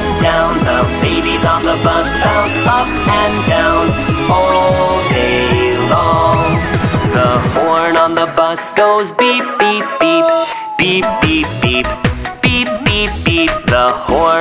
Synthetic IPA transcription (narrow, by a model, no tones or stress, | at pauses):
d̥ãʊ̃nðəbeɪbizn̩ðəbʌsaʊzʌp̚ɨ̃ndãʊ̃nɔldeɪlɔŋðəhɔɹnə̃nðəbʌsɡ̥oʊzbip̚b̥ip̚b̥ip | b̥ip̚b̥ipb̥ipb̥ip̚b̥ipb̥ip̚ðəhɔ